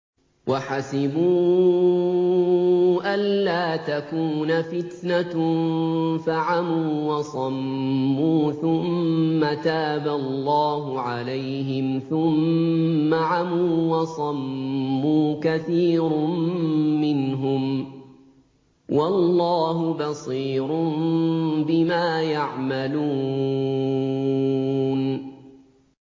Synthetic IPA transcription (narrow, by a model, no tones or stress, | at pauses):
waħasɪbuː | ʔalːaːt̪akuːnafɪt̪na | faʕamuːwɑsˤɑmːuːθʊmːat̪aːbalːɑːɦʊʕalajhɪmθʊmː | aʕamuːwɑsˤɑmːuːkaθiːɾmːɪnɦʊm | wɑlːɑːɦʊbɑsˤiːɾʊ | bɪmaːjaʕmaluː | n